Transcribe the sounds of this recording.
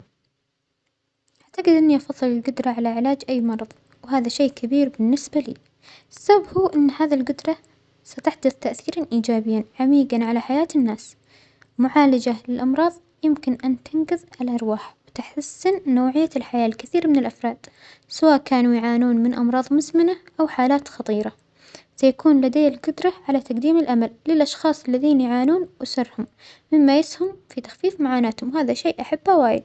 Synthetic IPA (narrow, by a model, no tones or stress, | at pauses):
ʔʔaʕt̪aɡɪd̪ʔɪnːiʔɑfɑðˤːɨlɪlɡʊd̪ɾˤɑʕalaʕɪlaːd͡ʒʔajːmɑɾˤɑðˤ | wɦaːðaʃeːkʰabiːɾbɪnːɪsbalḭː | ʔɪsːababhuːʔɪnːhaːðilɡʊd̪ɾˤɑ | sat̪aħd̪ʊθt̪aʔθiːɾˤanʔiːd͡ʒaːbɪjːanʕamiːɡanʕalaħajaːt̪ɪnːaːs | mʊʕaːlad͡ʒalɪlʔɑmɾˤɑːðˤ | jɪmkɪnʔant̪ʰɪnɡɪðʕalaʔɑɾˤwaːħwt̪aħtasːɪnːoːʕɪjːalħajaːlkɪθiːɾmɪnɪlʔɑfɾˤɑːd̪̥ | sawaːʔkaːnujʕaːnuːnmɪnʔɑ̰mɾˤɑːðˤmʊzmɪnaʔawħaːlaːt̪xɑt̪ˤiːɾˤɑ | sajakuːnlad̪ejːɪlɡʊd̪ɾˤɑʕalat̪aqd̪iːmɪlʔamalːɪlʔɑʃxɑːsˤɪlːaðiːnjʕaːnuːnwʔɪsɨrˤːhʊmː | ɪmːajɪshʊmfit̪ḁxfiːfmaʕaːnaːt̪hʊmwɦaːðaʃeːʔaħab̥ːhawaːjɪ̰d̪̚